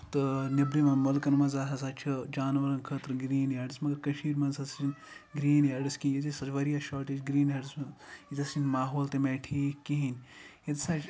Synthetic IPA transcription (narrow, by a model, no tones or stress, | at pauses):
t̪ɨnɐbɾimɐnmɐlkɐnmɐnzaːɦɐsaːt͡ʃʰɐd͡ʒaːnʋɐɾɐnkʰəːt̪ɾɨɡɾiːnaːɖismɐɡɐkɐʃiːɾmɐnzɐsinʲɡɾiːnaːɖiskinjit̪isɐt͡ʃʋɐɾijaʃaːʈit͡ʃɡɾiːnɐɖisjit̪ɐsinmaːɦoːlt̪emeːʈʰiːkiɦinʲjit̪saːt͡ʃ